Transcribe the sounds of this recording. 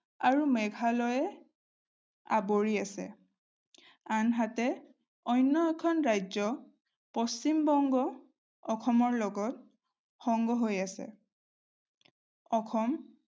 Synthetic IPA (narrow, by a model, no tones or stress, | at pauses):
aɹumɛɡʱalɔjɛ | a̰boɹiasɛ̰ | anɦatɛ | ɔjnːɔɛkʰɔnɹajzɔ | pɔst͡ʃimbɔŋɡɔ | ɔkʰɔmɔɹlɔɡɔt̚ | xɔŋɡɔɦojasɛ̰ | ɔkʰɔm